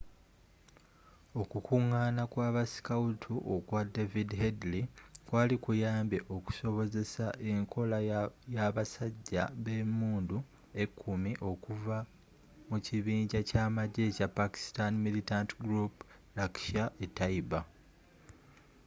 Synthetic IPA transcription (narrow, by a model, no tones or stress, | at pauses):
o̞kukuŋːaːnakwaːβasi̥kautʰuʔokwade̞vidhedlikwaːlikujaːmbjeʔo̞ku̥so̞βo̞ze̞saʔe̞ŋkʰo̞lajaβasaɟːa̰βe̞muːndu | e̞kʰːumiʔo̞kuva | muciβiːɲɟacaːmaɟe̞capːaki̥stanmilitantɡɾup | lakʃaetːaiba